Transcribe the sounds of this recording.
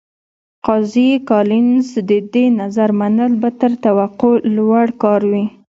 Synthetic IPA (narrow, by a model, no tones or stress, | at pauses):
qɑzikɑlɪnzd̪əd̪enazaɾmanəlbat̪əɾt̪awaqolwaɽkɑɾwi